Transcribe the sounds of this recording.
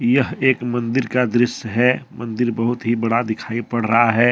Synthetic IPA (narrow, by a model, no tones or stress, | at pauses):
jɐɦeːkmɐ̃nd̪ɪɾkad̪ɾɪʃɦɛːmɐ̃nd̪ɪɾbɐɦʊt̪ɦibɐɽad̪ɪkʰaːipɐɽ̤ɾɐɦaɦɛː